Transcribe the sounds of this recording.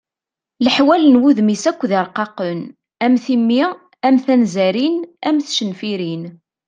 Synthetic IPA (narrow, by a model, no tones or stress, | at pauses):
ləħwælənwuðmisækʷːðɪɾˤqɑqən | æmθimːi | æmθænzæɾinæmθʃənfiɾin